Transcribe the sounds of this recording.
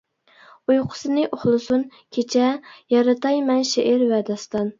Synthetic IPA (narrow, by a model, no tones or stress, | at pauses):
ujqʰʊ̥sɨnɨʔoχlˠɨsun | kʲʰet͡ʃʰɛjɑɾɨt̪ʰɑjmɛnʃeʔɪɾwɛd̪ɑst̪ɑn